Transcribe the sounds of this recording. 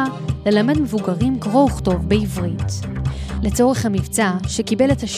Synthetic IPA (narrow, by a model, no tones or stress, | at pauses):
le̞lame̞dme̞vuɡaʁimkvo̞uχto̞vbeivʁit | le̞t͡so̞ʁe̞χhamivt͡saʃe̞kibe̞le̞thaʃ